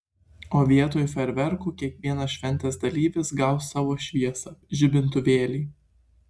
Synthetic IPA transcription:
oːʋʲiɛt̪oːjʊfʲɛɾʲʋʲɛɾkuːkʲiɛkʋʲiɛnɐsʃʲʋʲɛnʲt̪ʲɛsd̪ɐlʲiːʋʲɪsɡɑʊsɑːʋoːʃʲʋʲiɛsɐʒʲɪbʲɪnt̪̬ʊʋʲeːlʲiː

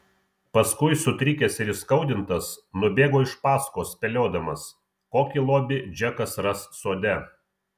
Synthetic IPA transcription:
pɐskʊɪsʊt̪ʲɾʲɪkʲesɪɾɪskɐʊd̪ʲɪnt̪ɐsnʊbʲeːɡoːɪʃpɑːskoːspʲɛlʲoːd̪ɐmɐs | koːkʲilˠoːbʲɪd͡ʒʲɛkɐsɾɐsːoːd̪ʲɛ

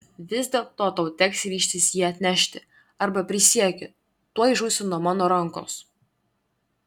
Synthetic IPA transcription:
ʋʲɪzʲd̪ʲeːlˠt̪oːt̪ɐʊt̪ʲɛksɾʲiːʃʲt̪ʲɪsjiɛɐt̪ʲnʲæʃʲt̪ʲɪ | ɐɾbɐpʲɾʲɪsʲiɛkʲɪ | t̪uɔɪʒuːsʲɪnuɔmɑːnoːɾɐŋˑko̰ːs

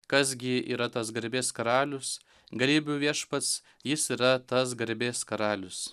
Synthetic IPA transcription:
kɐs̬ɡʲɪiːɾɐt̪ɐsɡɐɾʲbʲeːskɐɾɑːlʲʊs | ɡɐlʲiːbʲʊːʋʲiɛʃpɐt̪s | jɪsiːɾɐt̪ɐs̬ɡɐɾʲbʲeːskɐɾɑːlʲʊs

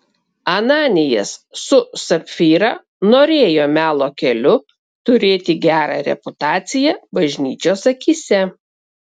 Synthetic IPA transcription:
ɐnɑːnʲɪjɛssʊsɐpʲfʲiːɾɑ̰ | noːɾʲeːjoːmʲæːlˠoːkʲɛlʲʊ | t̪ʊɾʲeːt̪ʲɪɡʲæːɾɑ̰ɾʲɛ̰pʊt̪ɑːt̪sʲɪjɛbɐʒʲnʲiːt͡ʃʲoːsɐkʲiːsʲɛ

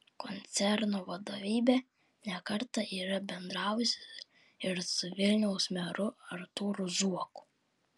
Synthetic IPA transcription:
kɔnʲt̪sʲɛɾnoʋɐd̪oʋʲiːbʲe | nʲɛkɐɾt̪ɐʔiːɾɐbʲɛnd̪ɾɑːwʊsʲɪ | ɪɾsʊʋʲɪlʲnʲɛʊsmʲɛɾʊɐɾt̪uːɾʊzuɔkʊ̥

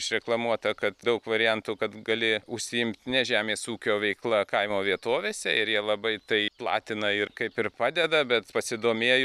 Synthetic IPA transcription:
ɪʃɾʲɛklˠɐmuɔt̪ɐkɐt̪d̪ɐʊkʋɐɾʲɪjɛnt̪uːkɐt̪ɡɐlʲɪʊʃʲsʲɪjɪmʲt̪nʲɛʒʲæːmʲeːsuːkʲoːʋʲɛɪklˠɐkɐɪmoːʋʲiɛt̪oːʋʲeːsʲɛɪɾjiɛlˠɐbɐɪt̪ɐɪplˠɑ̰ːt̪ʲɪnɐɪrkɐɪpɪɾpɑːd̪ʲɛd̪ɐbʲɛt̪pɐsʲɪd̪oːmʲeːjʊ

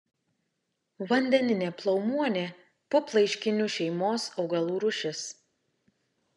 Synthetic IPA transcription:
ʋɐnʲd̪ʲɛnʲɪnʲeːplˠɐʊmuɔnʲeː | pʊplˠɐɪʃʲkʲɪnʲuːˑʃʲɛɪmoːsɒʊɡɐlˠuːɾʊʃʲɪs

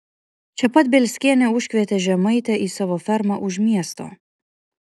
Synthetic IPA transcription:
t͡ʃʲɛpɐt̪̚bʲɛlʲsʲkʲiɛnʲɛʊʃʲkʲʋʲɛt̪ʲɛʒʲɛmɐɪt̪ʲɛʔiːsɑʋoːfʲɛɾmɑʔʊʃʲmʲiɛst̪o̰ː

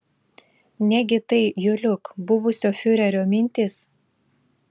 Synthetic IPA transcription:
nʲɛɡʲɪt̪ɐɪjʊlʲʊkbʊʋʊsʲoːfʲʊɾʲɛɾʲoːmʲɪnʲt̪ʲɪs

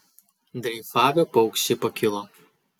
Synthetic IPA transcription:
d̪ʲɾʲɛɪfɑːʋʲɛpɐʊksʲɪpɐkʲɪlˠo

